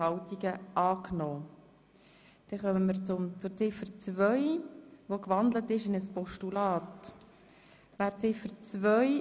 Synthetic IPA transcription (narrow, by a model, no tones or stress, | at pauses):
ɑwtiɡəʔɑːknɔː | d̥ɛχœməməɾt͡sʊmt͡sʊɾt͡sɪfəɾt͡svœʏʋokʋɑndlətɪʃɪnəspɔʃtulɑːt | ʋæːɾt͡sɪfəɾt͡svœʏ